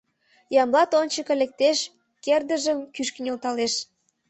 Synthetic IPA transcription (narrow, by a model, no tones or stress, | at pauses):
jɑmlɑt̪onʲt͡ɕəkə̆lek̚t̪eʃ | kerd̪əʒəmkyʃkənʲolt̪ɑleʃ